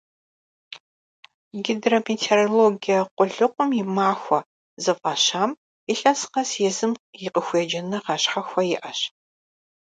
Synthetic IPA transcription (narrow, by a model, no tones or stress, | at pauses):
ɡidrometʰeːroloɡijaqʷʼʊɮɨqʷʼʊmjɪmaːxʷɔ | zɨfʼɐɕaːm | ɪɬɐsqɐsjɛzɨmjɪqəxʷɛd͡ʒɐnɐʁɑɕħaxʷɐjɪʔɐɕ